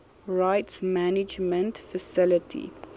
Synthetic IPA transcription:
ɹaɪtsmænɪd͡ʒmə̃ntfəsɪlətʰḭ

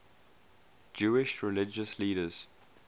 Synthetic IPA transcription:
d͡ʒuːɪʃɹɪlɪd͡ʒəsliːɾəz̥

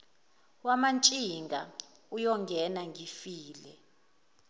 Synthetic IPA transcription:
wamant͡ʃʼiŋɡʱa | ujɔŋɡʱɛnaŋʱifiːlɛ̰

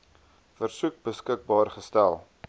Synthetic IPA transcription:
fərsuk̚bəskək̚bɑːrχəstælˠ

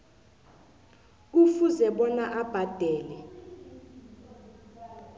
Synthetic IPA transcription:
ufuzɛɓɔnaʔab̥ʱad̥ʱɛːlɛ

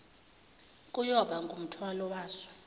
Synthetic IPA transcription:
kʼujɔɓaŋɡʱum̩tʰwalɔwaːsḁ

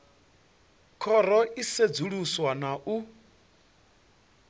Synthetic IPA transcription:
kʰɔɾɔʔised͡zuɺuswanaʔu

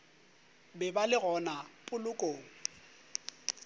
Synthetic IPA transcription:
bɛbalɪɣɔnapʼʊlʊkʼoːŋ̩

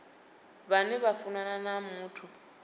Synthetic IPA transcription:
βanɛβafunananamuːtʰu

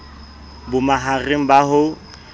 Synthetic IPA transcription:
bʊmaɦareŋ̩baɦʊ

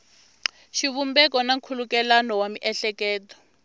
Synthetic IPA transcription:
ʃiβumbɛk̬ɔnaŋkʰulukɛlanɔwamiʔɛɬɛkɛːtɔ̥

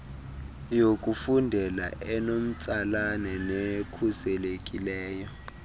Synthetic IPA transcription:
jokʼufundʱɛla̰ʔɛnom̩t͡sʼalanɛnekʰusɛlekʼilɛːjɔ

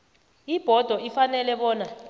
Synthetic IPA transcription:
ib̥ʱɔd̥ʱɔifanɛlɛɓɔːna

